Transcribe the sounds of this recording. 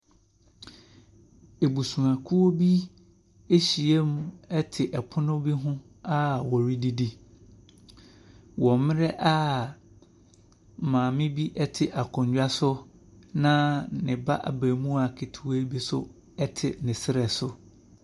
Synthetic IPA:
e˨bu˨sũ˨ã˨kʰu˦o˦bi˦ | e˦ɕi˨e˦m˦ɛ˦tʰɪ˨ʔɛ˨pʰʊ˦nʊ̃˦bi˦ɦʊ̃˦ | a˦wɔ˨ɾi˦di˦di˦ | wɔ̃˨mmɪ̃˦ɾɛ˦ʔa˦˨ | mãː˨mɪ̃˦bi˦ʔɛ˦tʰɪ˨ʔa˨kʰʊ̃˨ɲ˨d͡ʑᶣa˦sʊ˦ | nã˦nɪ̃˨ba̰˦ʔa̰˨bæ˨mũ˦a˨kʰe˨tʰu˨we˦bi˦sʊ̰˦ | ɛ˦tʰɪ˨nɪ̃˨sɪ˦ɾɛ˨sʊ˨

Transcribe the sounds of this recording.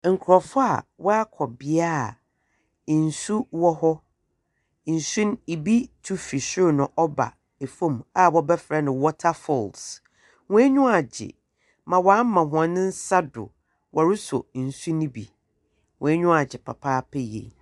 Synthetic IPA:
ŋ̩˨kʰɾɔ˨fʊ˦a̰˨wɔ˦a˦kʰɔ˨bɪ˨˦a˦˨ | n̩˨su˦wɔ˦hɔ˦ | n̩˨su˦n˦i˨bi˦tʰu˦fi˨sʊ˦ɾnʊ̃˨ʔɔ˦ba̰˨ | e˨fõ˦˨ma˨wɔ˦bɛ˦fɾɛ˦nɪ̃˨wɔ˦tʰa˦fɔ˦˨ls | wʊ̃˦ɛ˦ɲʊ̃˦a˨d͡ʑɪ̰˨ | mã˨wã˨˦mã˨ɦʊ̃˨ã˨nɪ̃˦n̩˦sa˦dʊ̰˨ | wʔɔ˨ɾɪ˦sʊ˨n̩˨su˦nĩ˦bi˨ | wɔ̃˨ɛ˦ɲᶣʊ̃˦a˨d͡ʑɪ˨pʰa̰˨pʰaː˦pʰɛ˦jḛ˨

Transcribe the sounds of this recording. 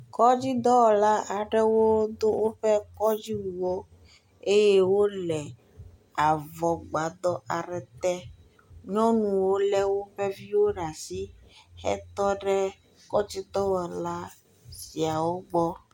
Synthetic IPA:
kɔ˦d͡ʑi˦d̪ɔ˦wɔ˨la˦a˨ɖɛ˦wo˦d̪o˦wo˦ɸɛ˦kɔ˦d͡ʑi˦wu˨wo˦ | e˦je˦wo˦lɛ˨ | a˨vɔ˨ɡ͡ba˨d̪ɔ˦ʔa˨ɾɛ˨t̪ɛ˦ | ɲɔ̃˦nũ˨wo˦lɛ˦wo˦ɸe˦vi˦wo˦ɖa˨si˦xɛ̰˦t̪ɔ˦ɖɛ˦ | kɔ˦d͡ʑi˦d̪ɔ˦wɔ˨la˦ | si˨a˨wo˦ɡ͡bɔ˦

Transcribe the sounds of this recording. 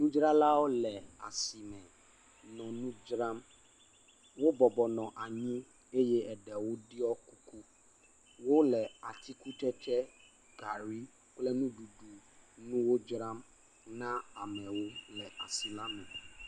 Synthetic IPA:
nũ˦d͡ʒɾa˦la˦wo˦lɛ˨a̰˨si˨mɛ̃˨ | nɔ̃˨nũ˦d͡ʒɾã˦m | wo˦bɔ˨bɔ˨nɔ̃˨ʔa˨ɲĩ˦ | e˦jɛ˦ɛ˨ɖɛ˨wo˦di˦ɔ˦ku˦ku˦ | wo˦lɛ˨a˨t̪ʰi˦ku˦t̪ɛ˦tɛ˦ | ɡ̥a˨ɾi˦ | k͡plɛ˦nũ˦du˨ɖu˨nũ˦wo˦d͡ʒɾã˦m | nã˦a˨mɛ̃˨wo˦lɛ˨ʔa̰˨si˨la˦mɛ̃˨

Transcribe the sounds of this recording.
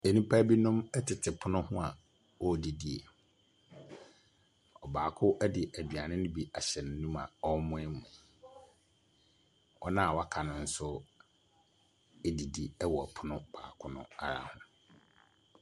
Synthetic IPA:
e˨nũ˦pʰa˦bi˦nʊ̃˦mɛ˦tʰɪ˨tʰɪ˨pʰʊ˦nʊ̃˦hʊ̃˦a˨ | wɔ˦˨di˨di˨e˨ | ɔ˨baː˨kʰʊ˦ʔɛ˦dɪ˨ʔæ˨di˨a˨nɪ̃˦nɪ̃˦bi˨ʔa˨ɕɛ˨ñ˨˦nũ˦mã̰˨ɔ˦mʊ̃˦ɪ˦mʊ̃˨ | ɔ˦nã˦˨wa˦kʰa˨nʊ̃˨n̩˦sʊ˦ | e˦di˨di˦ɛ˦wɔ˨pʰʊ˦nʊ̃˦b̥a̰ː˨kʰʊ˦nʊ̰̃˦a̰˨ɾa̰˨hʊ̃˨

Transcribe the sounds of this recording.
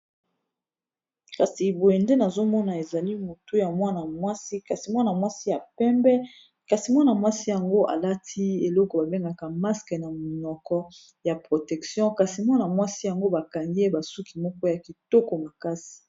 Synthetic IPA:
ka˨si˨bo˨je˨nde˦na˨zo˦mɔ˦na˨e˨za˨li˦mo˨tu˦ja˨mwa˦na˨mwa˦si˦ka˨si˨mwa˦na˨mwa˦si˦ja˨pɛ˦mbɛ˦ | ka˨si˨mwa˦na˨mwa˦si˦ja˨ŋɡo˦ʔa̰˨la˦tʰi˦e˨lɔ˦kɔ˨ba˨be˦ŋɡa˨ka˨ma˦skɛ˨na˨m˨ɲɔ˨kɔ˦ | ja˨pʁo˨tɛ˨ksjɔ̃˦ka˨si˨mwa˦na˨mwa˦si˦ja˨ŋɡo˦ba˨ka˨ŋɡi˦e˦ba˨su˦ki˨mɔ˦kɔ˦ja˨ki˨to˦kɔ˨ma˨ka˦si̥˨

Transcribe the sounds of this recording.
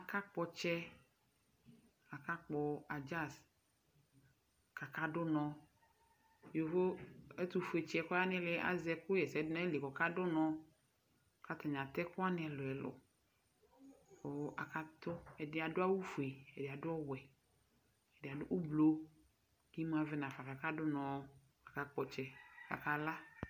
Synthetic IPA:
a˨ka˦k͡pɔ˨t͡ʃɛ˦ | a˨ka˦k͡pɔ˨a˨d͡ʒa˦˨s | ka˨ka˦dʊ˦nɔ̃˨ | jo˨ɦo˦e˦t̪u˨fe˨t͡ʃɛ˨kʊ˦a˦nɪ̃˦lɪ˨ʔa̰˦zɛ˨kʊ˦jɛ˨sɛ˨dn˦e˦li˨kɔ˨ka˦dʊ˦nɔ̃˦˨ | ka˦t̪a˨ɲ˨ã˨t̪ɛ˦kʊ˦a˦nɪ̃˦ɛ˨lʊ˨ɛ˨lʊ̰˨ | o˨˦ʔa˨ka˦t̪ʊ˦ɛ˨dɪ˦a˨dʊ˦a˦wu˦fu˨e˨ɛ˨dɪ˨a˨dʊ˦ɔ˦wɛ˨ | ɛ˨dɪ˨a˨dʊ˦ʔu˦blo˦ | ki˦m˦ã˨vɪ˦nã˨fa˨ka˨ka˦dʊ˦nɔ̃˨˦ | a˨ka˨k͡pɔ˨t͡ʃɛ˨ka̰˨ka˨la˦

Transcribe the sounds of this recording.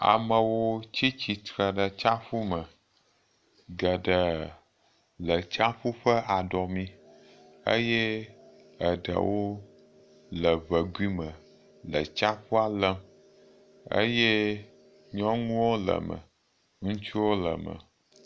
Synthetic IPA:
a̰˨mə̃˨wo˦t͡ɕi˦t͡ɕi˨t̪ɾə˨ɖə˨t͡ʃa˦ɸu˦mə˨ | ɡə˨ɖə˨ | lə˨t͡ʃa˦ɸu˦ɸə˦ʔa˨ɖɔ˨mĩ˦ | ə̰˦jɛ˦ | ə˨ɖə̰˨wo˦ | lə˨βə˨ɡʷi˦mə˨ | lə˨t͡ʃa˦ɸu˦a˨lə˦m | ə̰˦jɛ˦ | ɲɔ̃˦ŋũ˦wo˦lə̰˨mə̰˨ | ŋũ˦t͡ʃu˦wo˦lə̰˨mə̰˨

